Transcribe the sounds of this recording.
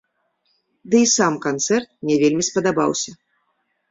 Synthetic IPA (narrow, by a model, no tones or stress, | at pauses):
d̪ɨisamkant̪sɛrt̪̚nʲɛvʲelʲmʲispɐd̪aba̰wsʲɐ